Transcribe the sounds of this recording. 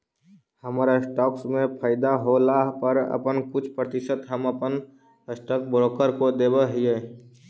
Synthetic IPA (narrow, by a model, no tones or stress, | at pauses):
həmaɾasʈɔːksmẽpʰaːɪd̪aɦolaɦpəɾə̰pənkʊt͡ʃʰpɾət̪ɪsət̪ɦəməpən | əsʈək̚bɾoːkəɾkod̪eːbəɦije